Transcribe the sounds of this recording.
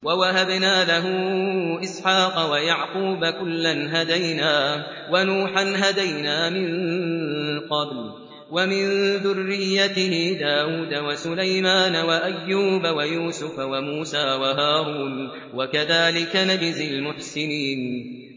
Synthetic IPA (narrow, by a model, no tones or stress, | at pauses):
wawaɦabnaːlaɦʊʔɪsħɑːqɑwajaʕquːbakʊlːanɦad̪ajnaː | wanuːħanɦad̪ajnaːmɪn | qɑbl | wamɪnðʊrːɪjːat̪ɪhɪd̪aːwuːd̪awasʊlajmaːnawaʔajːuːbawajuːsʊfawamuːsaːwaɦaːɾuːn | wakaðaːlɪkanad͡ʒzɪlmʊħsɪniːn